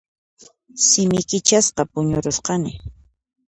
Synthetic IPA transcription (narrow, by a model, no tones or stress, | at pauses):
sɪmɪkɪt͡ʃasqɑpʊɲʊɾosqɑnɪ